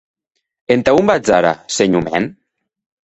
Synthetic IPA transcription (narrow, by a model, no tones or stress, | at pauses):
ent̪aumbad͡zaɾa̰seɲumɛ̰n